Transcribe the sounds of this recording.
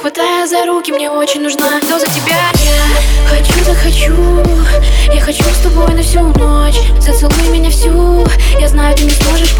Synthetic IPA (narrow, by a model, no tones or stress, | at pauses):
xvɐt̪ajʊzɐɾukʲɪmnʲeo̞t͡ɕɪnʲnʊʐnad̪ozətʲɪbʲajaxɐt͡ɕuzəxɐt͡ɕu | jaxɐt͡ɕust̪ɐbo̞jnɐfsʲunot͡ɕzət̪sɨlˠujʊmʲɪnʲafsʲu | jaznajʊt̪ɨnʲɪt̪moʐɨʂ